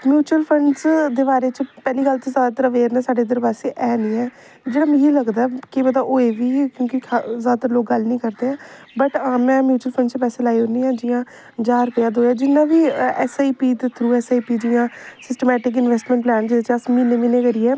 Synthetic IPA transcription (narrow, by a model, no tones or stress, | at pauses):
mjuːt͡ʃuəlpʰəɳɖsd̪eːbaːɾeːt͡ʃpɛːliːkəlt̪ezaːd̪at̪ɾaʋeːɾnɛ̃ːsaːɖeːd̪əɾbaːseːʔɛːniːɛː | d͡ʒeːɽaːmɪ̃iləɡd̪aːɛkeːbəd̪aːʔoːeʋiːkjõːkikʰazaːd̪aːt̪əɾaloːk̚ɡəlnĩːkəɾd̪eːɛː | bəʈaːmɛ̃ːmjuːt͡ʃuəlpʰə̃ɳɖt͡ʃpɛːseːlaːioniːãːd͡ʒɪjãː | d͡ʒaːɾpɪjaːd̪oːɛːd͡ʒɪnːãːʋiːɛːsaːiːpiːt̪et̪ʰɾuːɛːsaːiːpiːd͡ʒɪjãːsɪsʈəmɛːʈɪk̬ɪnʋɛːsʈmɛ̃ɳʈplɛːnd͡ʒɪet͡ʃəsmineːminẽːkəɾiːɛː